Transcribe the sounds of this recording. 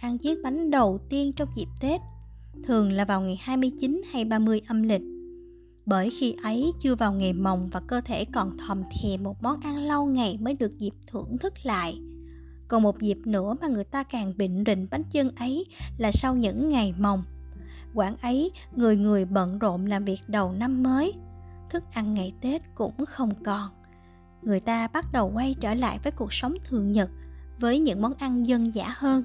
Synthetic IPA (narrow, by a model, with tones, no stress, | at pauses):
ʔa˧nzi˨˦˥ək̚ɓa˨˦jŋ̟ɗə˨˩wt̪i˧ənt͡ɕɔ˧wŋ͡mzi˨˩p̚t̪e˦˥t̚ | t̪ʰɨ˨˩əŋlaː˨˩vaː˨˩wŋa˨˩jhaː˧jmɨ˧əjt͡ɕi˨˦nha˧jɓaː˧mɨ˧əjʔə˧mlï˨˩k̟̚ | ɓəː˧˩jxi˧ʔə˨˦jt͡ɕɨ˧əvaː˨˩wŋa˨˩jma˨˩wŋ͡mvaː˨˩kəː˧t̪ʰe˧˩kɔ˨˩nt̪ʰə˨˩mt̪ʰi˨˩mo˨˩t̚mɔ˨˦nʔa˧nla˧wŋa˨˩jməː˨˦jɗɨ˨˩ək̚zi˨˩p̚t̪ʰɨ̰˧˩əŋt̪ʰɨ˦˥k̚la̰ː˧˨jʔ | kɔ˨˩nmo˨˩t̚zi˨˩p̚nɨ̰˧˥əmaː˨˩ŋɨ˨˩əjt̪aː˧kaː˨˩ŋɓḭ̈˧˨ŋ̟zḭ˧˨ŋ̟ɓa˨˦ŋt͡ɕə˧nʔə˨˦jlaː˨˩sa˧wɲɨ̰˧˥ŋːa˨˩jma˨˩wŋ͡m | kwaː˧˩nʔə˨˦j | ŋɨ˨˩əjŋɨ˨˩əjɓə̰˧˨nzo̰˧˨mlaː˨˩mvi˨˩ək̚ɗə˨˩wna˧mːəː˨˦jt̪ʰɨ˦˥k̚ʔa˧nːa˨˩jt̪e˦˥t̚kʊ̰˧˥ŋ͡mxə˧wŋ͡mkɔ˨˩n | ŋɨ˨˩əjt̪aː˧ɓa˦˥t̚ɗə˨˩wka˧jt͡ɕəː˧˩la̰ː˧˨jvəː˨˦jku˨˩ək̚sə˨˦wŋ͡mt̪ʰɨ˨˩əŋɲə˨˩t̚vəː˨˦jɲɨ̰˧˥ŋmɔ˨˦nʔa˧nzə˧nza̰ː˧˥həː˧n